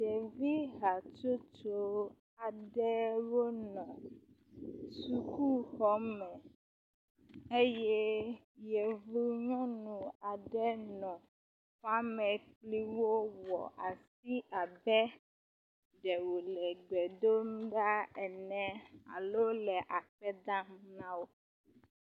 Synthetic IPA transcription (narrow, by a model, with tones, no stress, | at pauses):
t͡ʃɛ˨vi˦ɦa˨t͡ʃo˦t͡ʃo˦ | a˨ɖɛ˦wo˦nɔ̃˨ | su˦ku˦xɔ˦mɛ̃˨ | e˦jɛ˦ | jɛ˨vu˦ɲɔ̃˦nũ˨a˨ɖɛ˦nɔ̃˨ | fa˦mɛ̃˨k͡pli˦wo˦wɔ̰˨ʔa˨si˦ʔa˨bɛ˦ | ɖɛ˨wo˨lɛ˨ɡ͡bɛ˨d̪o˦m˦ɖa˦ɛ˨nɛ̃˨a̰˨lo˦lɛ˨ʔa˨ɸɛ˦d̪ã˦mnã˦wo˦